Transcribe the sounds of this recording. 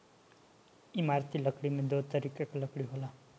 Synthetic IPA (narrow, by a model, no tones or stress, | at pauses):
imaɾt̪ʰiləkɽimed̪ot̪əɾikakaləkɽiɦola